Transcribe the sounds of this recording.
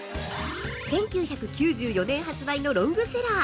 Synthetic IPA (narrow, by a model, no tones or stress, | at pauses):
sẽ̞ŋkʲɨːçakɯ̟kʲɨːʑɨːjo̞nẽ̞ɰ̃ɦat͡sɨbaino̞ɾõ̞ŋɡɯ̟se̞ɾaː